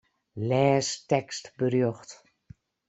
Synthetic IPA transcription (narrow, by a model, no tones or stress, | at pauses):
lɛːstɛkstbərjɔxt